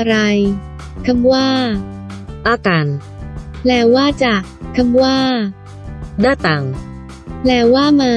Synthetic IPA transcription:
ʔɾa˧j | kʰa˧mwaː˥˩ | ʔaː˧˩kaː˧n | lɛː˧˩wwaː˥˩t͡ɕaː˨˩kkʰːa˧mwaː˥˩ | daː˥˩t̪a˨˩ŋ | lɛː˧˩wwaː˥˩maː˧

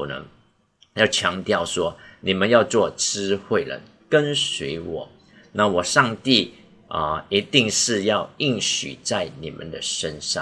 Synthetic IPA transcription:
nə̰˧˦ | jɑ˥˩ʊt͡ɕʰjɑ˧˥ŋt̪jɑ˥˩ʊʂwɔ˥ni˨˩mə˦njɑ˥˧ʊt͡swɔ˥˨˩ʈ͡ʂɻ̩˥xwe˥˩ɪlə̰˧˦n | kə˦nswe˧˥ɪwɔ̰˨˩˦ | na˥˨wɔ˨˩ʂɑ˥˧ŋt̪i˥˩ | ə̰˨i˧˥t̪i˥˧ŋʂɻ̩˥˧jɑ˥˧ʊi˥˩ŋɕy̰˨˩t͡sa˥˩ɪnḭ˨˩mʔə̰˨nd̪ə˨ʂə˦nʂɑ̰˥˨ŋ

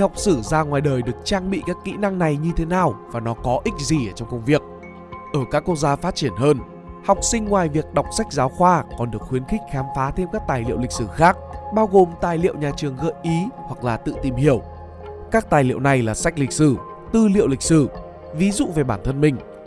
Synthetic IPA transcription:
ha˨˩wk͡p̚sɨ˧˩zaː˧ŋwaː˨˩jɗəː˨˩jɗɨ˨˩ək̚t͡ɕaː˧ŋɓḭ˧˨kaː˦˥kːḭ˧˥na˧ŋna˨˩jɲɨ˧t̪ʰe˨˦naː˨˩wvaː˨˩nɔ˨˦kɔ˨˦ʔï˦˥k̟̚zi˨˩ʔəː˧˩t͡ɕɔ˧ŋ͡mkə˧wŋ͡mvi˨˩ək̚ | ʔəː˧˩kaː˦˥kːwk̚zaː˧faː˦˥t̚t͡ɕi˧˩ənɦəː˧n | hɔ˨˩wk͡p̚sï˧ŋ̟ŋwaː˨˩jvi˨˩ək̚ɗa˨˩wk͡p̚sa˦˥jk̟̚zaː˨˦wxwaː˧kɔ˨˩nɗɨ˨˩ək̚xwi˨˦ənxï˦˥k̟̚xɛ˨˦mfaː˨˦t̪ʰe˧mkaː˦˥k̚t̪aː˨˩jlḭ˧˨wlï˨˩k̚sɨ˧˩xaː˦˥k̚ɓaː˧wɣo˨˩mt̪aː˨˩jlḭ˧˨əwɲaː˨˩t͡ɕɨ˨˩əŋɣə̰ː˧˨jʔi˨˦hwa˨˩k̚laː˨˩t̪ɨ̰˧˨t̪i˨˩mhi˧˩əw | kaː˦˥k̚t̪aː˨˩jlḭ˧ə˨wna˨˩jlaː˨˩sa˦˥jk̟̚lï˨˩k̚sɨ˧˩ | t̪ɨ˧lḭ˧˨əwlï˨˩k̚sɨ˧˩ | vi˨˦zṵ˧˨ve˨˩ɓaː˧˩nt̪ʰə˧nmï˨˩ŋ̟

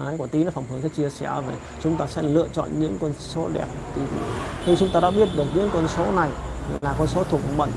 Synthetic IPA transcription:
aː˨˦jku˧˩ət̪i˨˦nɔ˨˦fa˨˩ŋ͡mhɨ˨˦əkaː˨˦jt͡ɕi˧əsɛ˧˩˨ve˨˩ | t͡ɕʊ˨˦ŋ͡mt̪aː˧sɛ̰˧˥lɨ̰˧˨ət͡ɕɔ̰˧˨nɲɨ̰˧˥ŋkə˧nso˨˦ɗɛ̰˨˩p̚t̪ʰi˨˩˧t̪ʰi˧t͡ɕʊ˨˦ŋ͡mt̪aː˧ɗa̰ː˧˥ɓi˦˥ət̚ɗɨ˨˩ək̚ɲɨ̰˧˥ŋkwə˧nso˨˦na˨˩jlaː˨˩kɔ˧nso˨˦t̪ʰu˨˩ək̚ːɓə̰˧˨ŋ

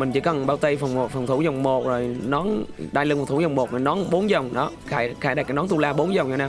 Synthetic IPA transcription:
mï˨˩ŋ̟t͡ɕḭ˧˦kə˨˩nɓaː˧wt̪ə˧jfə˨˩wŋ͡m̚fə˨˩wŋ͡mt̪ʰu˧˩˦zɔ˨˩wŋ͡mmo˨˩t̚zo˨˩jnɔ˨˦nɗaː˧jlɨ˧ŋft̪ʰu˧˦zɔ˨˩wŋ͡mmo˨˩t̚zo˨˩nɔ˨˦nɓo˨˦nzə˨˩wŋ͡mɗɔ̰˨˦xaː˧˩jxaː˧˩jɗa˨˩k̚nɔ˨˦nt̪u˧laː˧ɓo˨˦nzə˨˩wŋ͡mha˨˧˦naː˧

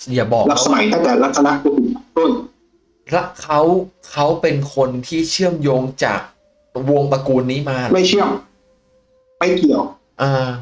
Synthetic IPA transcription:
jaː˨˩bɔː˨˩kla˨˦˩psa˧ma˩˦jt̪a˥˩ŋt̪ɛː˨˩ɾa˦˥sa˧na˦˥ʔkʰuː˧t̪i˨˩a˨˩d̥u˥˩˨j | ɾa˦˥kʰa˦˥wkʰa˦˥wpe˧nkʰo˧nt̪ʰiː˥˩t͡ɕʰɯ˥˩əmjoː˧ŋt͡ɕa̰ː˨˩k̚ | wo˧əŋpɾa˧kuː˧nːiː˦˥maː˧ma˥˩jt͡ɕʰɯ˥˩əm | ma˥˩jki˨˩əw | ʔaː˧

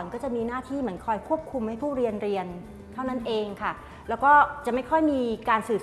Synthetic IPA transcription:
ŋkɔː˥˩t͡ɕa˨˩miː˧naː˥˩t̪ʰiː˥˩mɯ˩˦ənkʰɔː˧jkʰu˥˩əp̚kʰu˧mha˥˩jpʰuː˥˩ɾi˧ənɾi˧ən | t̪ʰa˥˩wna˥˩nʔeː˧ŋkʰa˥˩ | lɛː˦˥wkɔː˥˩t͡ɕa˨˩ma˥˩jkʰɔ˥˩jmiː˧kaː˧nsɯː˨˩

